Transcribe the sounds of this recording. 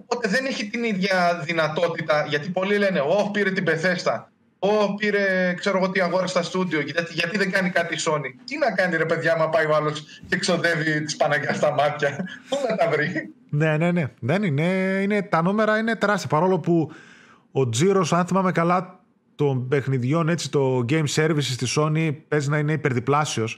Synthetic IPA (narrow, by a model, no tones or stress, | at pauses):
opo̞t̪e̞ðe̞neçit̪iniðʝɐðinɐt̪o̞t̪it̪ɐʝɐt̪ipo̞lile̞ne̞o̞piɾe̞t̪ibeθe̞st̪ɐ | o̞piɾe̞kse̞ɾoɣot̪iɐɣo̞ɾɐst̪ɐst̪ud̪io̞cit̪ɐz̥t̪eʝɐt̪iðeŋɡɐnikɐt̪iso̞nit̪inɐkɐniɾe̞pe̞ðʝɐmɐpɐjoɐlos | cekso̞ðe̞vit̪i̥spɐnɐʝɐst̪ɐmɐt̪çɐumet̪ɐvɾi | nene̞ne̞ðenine̞ine̞t̪ɐnume̞ɾɐine̞t̪e̞ɾɐst̪iɐpɐɾo̞lo̞pu | od͡ziɾosɐnθimɐmekɐlɐ | t̪o̞mbe̞xniðʝo̞ne̞t͡sit̪o̞ɟe̞jmse̞ɾvisist̪iso̞nipe̞zinɐine̞ipe̞ɾðiplɐsio̞s